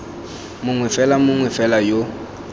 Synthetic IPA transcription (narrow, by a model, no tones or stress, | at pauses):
mʊŋwɛfɛlamʊŋwɛfɛlajo